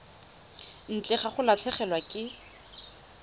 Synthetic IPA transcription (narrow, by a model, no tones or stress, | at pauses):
n̩t͡ɬʼɛχaχʊlat͡ɬʰɛχɛlwakʼɪ